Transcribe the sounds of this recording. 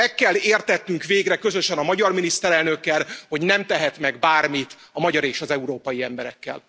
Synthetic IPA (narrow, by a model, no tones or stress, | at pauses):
ɛkːɛlːeːrt̪ɛt̪nyŋkʋeːɡrɛkø̞zøʃɛnɒmɒɟɒrminist̪ɛɾɛlnøkːɛlho̞ɟnɛmt̪ɛɦɛt̪mɛɡbaːrmit̪ | ɒmɒɟɒɾeːʃɒzɛuɾoːpɒjiɛmbɛɾɛkːɛ̰l